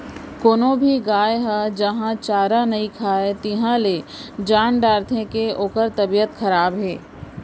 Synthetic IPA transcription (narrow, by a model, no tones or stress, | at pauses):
koːnõbʱiɡaːeɦad͡ʒɐɦãt͡ʃaːɾanɐikʰaːet̪ɪɦãled͡ʒaːɳɖaːɾt̪ʰẽkeoːkəɾt̪ɐbijət̪xʰɐɾaːbɦɛː